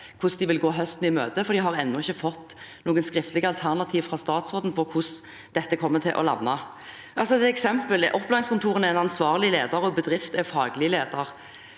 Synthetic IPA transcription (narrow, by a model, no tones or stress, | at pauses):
kʰʊsd̪ɪʋɪlɡoːɦœst̪n̩ɪmøːt̪əfɔɾd̪ɪɦɑʁɛnːʊɪçːəfɔt̪ː | nuːɡənskɾɪft̪lɪɡəɑlt̪ʰæʁnɑt̪ʰiːʋfɾɑst̪ɑːt̪sʁoːd̪n̩pʰɔkʰʊs | d̪̥ɛt̪ːəkʰɔmːət̪ʰɪlʔɔ̰lɑ̰nːɑ | ʔɑlsɔɛksɛmpəlɛʔɔpːlɑːɪŋskʊnt̪ʰuːʁənɛɛnɑnsʋɑːʁlɪleːd̪əɾɔbəd̪ɾɪft̪ɛfɑːɡlɪəleːd̪əɾ